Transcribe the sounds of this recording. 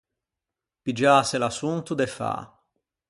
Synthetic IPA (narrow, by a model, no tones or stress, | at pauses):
pid͡ʒaːselasunt̪ud̪efa̰